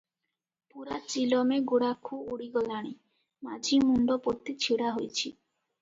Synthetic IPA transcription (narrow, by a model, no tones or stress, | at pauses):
puɾat͡ʃilɔmeɡoɽakʰuuɽiɡɔlaɽ̃i | mad͡ʒʱimuɳɖɔpot̪ːit͡ʃʰiɽaɦojt͡ʃʰi